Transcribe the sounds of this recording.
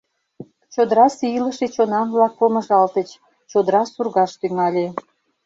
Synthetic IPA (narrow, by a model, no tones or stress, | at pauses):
t͡ɕod̪əɾɑsiləʃet͡ɕonɑmβlɑk̚pomə̆ʒɑlt̪ət͡ɕ | t͡ɕod̪əɾɑsurɣɑʃt̪yŋɑlʲe